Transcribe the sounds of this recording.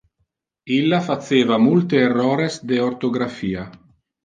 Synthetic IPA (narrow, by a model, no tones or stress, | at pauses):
ilːafat̪seːvamult̪eːrːɔːɾezd̪eort̪oɡɾafiːa